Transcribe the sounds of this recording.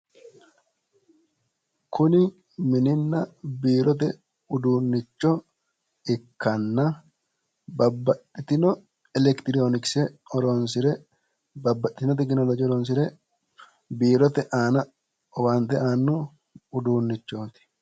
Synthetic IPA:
kʰʊnɪ | mɪnɪnːɐbiːɾɔt̪̬ɛ | ʊd̪uːnːɪt͡ʃːɔ | ɪkːɐnːɐ | bɐbːɐt̪ʼːɪt̪ɪnɔ | ɛlɛkt̪ɪɾoːnɪksɛɔɾoːnsɪɾɛ | bɐbːɐt̪ʼːɪt̪nɔt̪̬ɛk̬nɔlɔd͡ʒiːɔɾɔns̬ɪɾɛ | biːɾɔt̪ɛʔaːnɐ | ɔwaːnt̪ɛʔaːnːu | ʊd̪uːnːɪt͡ʃːoːt̪ɪ̥

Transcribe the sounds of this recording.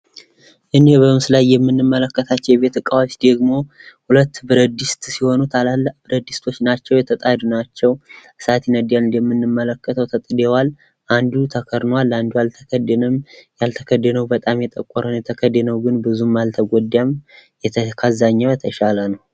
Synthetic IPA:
ʔɨnehbəɨmsɨlajːɛmːɨnːɨmːələkːət̪ʰat͡ʃːɛwjɛbe̞t̪ɨkʼːawot͡ʃd̪əɡmo̞hulət̪ːbɨɾəd̪ist̪siho̞nut̪ʰalalːəʔbɨɾəd̪ist̪ʰo̞t͡ʃːnat͡ʃːɛwjɛt̪ʰət̪ʼad̪unat͡ʃːɛwɨsat̪ʰinəd̪janɨnd̪jɛmːɨnːɨmːələkːət̪ʰəwt̪ʰət̪ʼd̪ewal | ʔand̪ut̪ʰəkʰəɾnwalːand̪ujalt̪ʰəkəd̪nəmjalt̪ʰəkʰəd̪ənəwbət̪ʼamjɛt̪ʼəkʼːɔɾənjɛt̪ʰəkʰəd̪enəwɡɨnbɨzumːalt̪ʰəɡʷod̪jamjɛkʰazaɲːawjɛt̪ʰəʃalənəw

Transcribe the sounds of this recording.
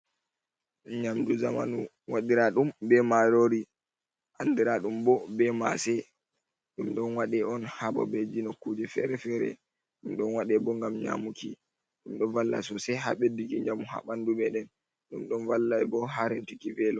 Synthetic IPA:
ɲamduzama̰nu | waɗiɾaɗumbɛmaɾoɾi | ʔandiɾaɗumbɔbɛmasɛ | ɗumɗɔnwaɗɛɔnhabɔ̰bɛd͡ʒinɔkːud͡ʒɛfɛ̰ɾɛfɛɾɛ̰ | ɗumɗɔnwaɗɛbɔŋɡamɲa̰muki | ɗumɗɔnvalːa̰sɔsɛɦa̰ɓedikiɲamuha̰ɓanduɓɛɗɛn | ɗumɗɔnvalːajbɔɦaɾɛntikivɛlɔ

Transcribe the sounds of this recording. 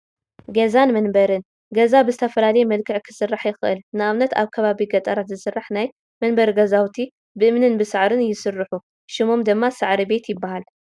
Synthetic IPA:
ɡɐzanmɐnbɐɾɨn | ɡɐzabɨzɨt̪ʰɐfɐlalɐjmɐlkʰɨʕkʰɨ̥sɨrːaħjɪxɨʔɨ̰lnɨʔaβnɐt̪a̰βkʰɐβaβiɡɐt̪ʼɐɾat̪zɨsɨrːaħnaj | mɐnbɐɾɡɐzawt̪ʰi | bɨʔɨmnɨnbɨsɨʕɾɨnjɪsɨrːɨħu | ʃɪmo̞md̪ɨmːasɨʕɾibe̞t̪jɪbːahal

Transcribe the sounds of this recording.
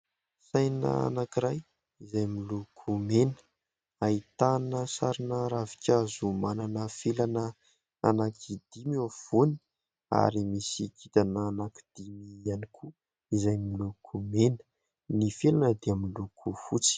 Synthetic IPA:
sajna̰a̰nakiɾaj | izajmilukʰumenə̥ | ait̪anəsaɾinəɾavi̥kʲazumananəfelanə | a̰nakʰid̪̥imiav̥uni̥ | a̰ɾimisikit̪anəːnaki̥d̪̥imianikʰu | izajmilukʰumenə̥ | nifelanəd̪eamlukʰufut͡si̥

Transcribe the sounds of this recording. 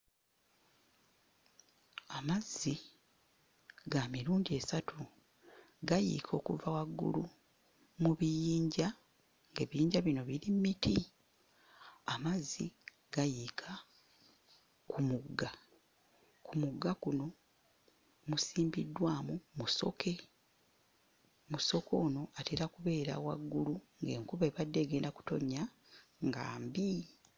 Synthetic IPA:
amazːi | ɡamiɾuːndie̞ːsatʰu | ɡajḭkʰo̞ːkuvawaɡːṵlu | muβijiːɲɟa | ŋɡeβijiːɲɟaβino̞βiɾimmitʰi | amazːi | ɡ̥ajikʰa | kʰumuɡːa | kumuɡːakuno̞ | musiːmbidːwaːmumuso̞̰kʰe̞ | muso̞ko̞ːno̞ateɾakuβe̞ːɾa̰wa̰ɡːuluŋɡe̞̰ːŋkuβeβadːe̞ːɡe̞ːndaku̥to̞̰ɲːa | ŋɡa̰ːmbi

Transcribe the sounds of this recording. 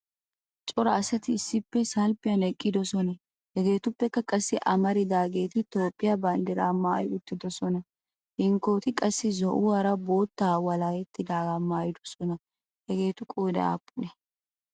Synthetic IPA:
t͡ʃʼɔɾɐːsɐt̪ɪːsːɪpːɛsɐlpːɪjɐnɛkʼːɪd̪ɔsɔnɐ | hɛɡe̞ːt̪ʊpːɛkːɐkʼɐsːɪʔɐmɐɾɪd̪aːɡe̞ːt̪ɪt̪o̞ːpʼːɪjɐbɐnd̪ɛɾaːmaːjʊt̪ːɪd̪ɔsɔnɐ | hɪŋkːo̞ːt̪ɪkʼɐsːɪzɔʔʊaːɾɐbo̞ːt̪ːaːwɐlaːjɛt̪ːɪd̪aːɡamaːjɪd̪ɔ̥sɔnɐ | hɛɡe̞ːt̪ʊkʼoːd̪ɐ̰a̰ːpʼːʊnɛ

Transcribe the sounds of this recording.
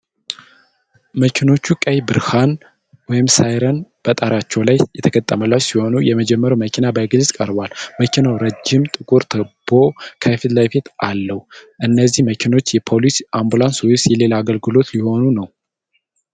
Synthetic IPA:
məkʰino̞t͡ʃːukʼəjbɨɾhan | wɔjɪmsajɾənb̥ət̪ʼaɾat͡ʃːɛwlajjɛt̪ʰəkʰət̪ʼːəməlasiho̞nujɛməd͡ʒɛmːəɾwməkʰinabaɡɨlsʼkʼəɾbalməkʰinawɾəd͡ʒːɪmt̪ʼɨkʼuɾt̪ʰəb̥o̞kʰafɨd̪lajfet̪ʰʔalːəhuʔɨnːəzːihməkʰino̞t͡ʃːjɛpʰo̞lisambulansowsjɛle̞laaːɡəlɡɨlo̞t̪liho̞nunəw

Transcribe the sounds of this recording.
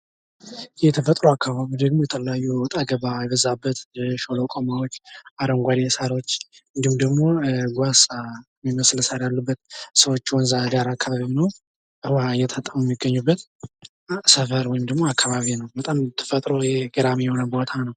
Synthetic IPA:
jɛt̪ʰəfət̪ʼɾoakːaβaβid̪əɡmojɛt̪ʰələjajːuwɔt̪ʼaɡəβajɛβəzabːət̪ʃolokʼomawot͡ʃːaɾəŋɡʷad̪esaɾot͡ʃːɨnd̪ihumd̪əɡmo̞ɡʷasʼa | miməslsaɾjalːubːət̪səwot͡ʃːwɔnzaɡaɾakʰːaβaβinə | ʔɨwajɛt̪ʰət̪ʼːəmujɛmːiɡːəɲːubːət̪ | səfəɾwɔjɪmd̪əɡmo̞akʰːaβaβinəwbət̪ʼamt̪ʰə̥fət̪ʼɾojɛɡəɾamijɛho̞nəbo̞t̪ʰanəw

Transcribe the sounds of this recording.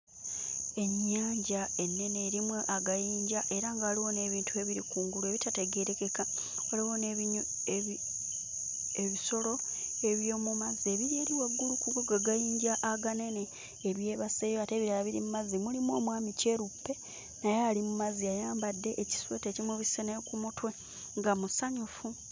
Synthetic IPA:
e̞ɲːaːɲɟae̞nːe̞neɾimweʔaɡajiːɲɟaʔe̞ɾaŋɡaːliwo̞ne̞βiːntʰue̞βiɾikuːŋɡulue̞βitate̞ɡe̞ɾe̞ke̞ka | oliwone | eβiso̞lo̞e̞βjo̞ːmumazie̞βiɾie̞ɾiweɡːulukuɡoɡaɡajiːɲɟaʔaɡane̞neː | ɾwje̞ːβase̞ːjoate̞βiɾalaβiɾimumazimulimwo̞ːmwaːmice̞ːɾupːe̞ | najealimumaziajaːmbadːe̞ʔeci̥swete̞cimweβisenekumutwe̞ | ŋɡamusaɲufu

